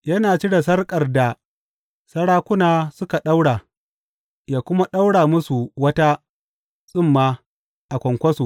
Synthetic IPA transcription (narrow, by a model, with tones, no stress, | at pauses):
jɐ˦naː˨t͡ʃi˦da˨sɐ˦rkʼɐ˨rda˨ | sɐ˦ɽaː˦kʷʊ˦naː˨sʊ˦ka˨ɗa˦wɽaː˨ | jaː˨kʷʊ˦ma˦ɗa˦wɽaː˨mʊ˦su˨wɐ˦ta˦ | sʼɪ˦˨mːaː˦ | ʔa˨kʷɔ˨ŋkʷɐ˦su˨